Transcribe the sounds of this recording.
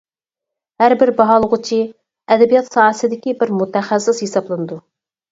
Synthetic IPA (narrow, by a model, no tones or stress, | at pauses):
hæɾbɪɾbɑɦɑlˠəʁʊt͡ʃʰi | ɛd̪ɛbijɑt̪sɑːsɨd̪ɪkʲibɪɾmut̪ʰɛχæsːɪsjesɑblˠɨnɨd̪u